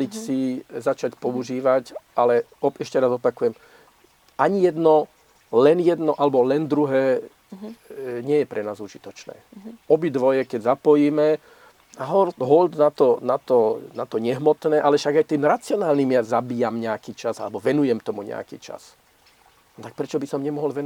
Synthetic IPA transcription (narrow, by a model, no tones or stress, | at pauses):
icsizat͡ʃacpɔuʒiːʋacʔalɛ | ɔʔɛʃcɛɾazɔpakujɛm | ʔaɲijɛd̪nɔ | lɛnjɛd̪nɔʔalɛbɔlɛnd̪ɾuɦɛː | ɲɪɛjɛpɾʔɛnaːzuʒit̪ɔt͡ʃnɛ̰ːɔbid̪ʋɔjɛkɛɟzapɔjiːmɛ | aɦɔld̪ɦɔld̪nat̪ɔnat̪ɔnat̪ɔɲɛɦmɔt̪nɛːʔalɛfʃaɡajt̪iːmɾat͡sɪɔnaːlnimjazabiːjamɲɛakiːt͡ʃazalɛbɔʋɛnujɛmt̪ɔmuɲɛ̰a̰kḭːt͡ʃa̰s | nt̪ak̚pɾɛt͡ʃɔbisɔmɲɛmɔɦɔlʋɛn